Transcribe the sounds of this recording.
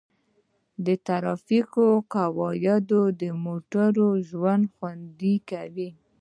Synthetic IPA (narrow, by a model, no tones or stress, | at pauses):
d̪ət̪aɾɑfikokawɑjad̪od̪əmoʈaɾoʒwand̪xwand̪ikawi